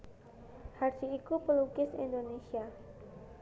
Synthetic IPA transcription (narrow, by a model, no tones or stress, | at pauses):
harsiːkupəlukɪsḭndonesia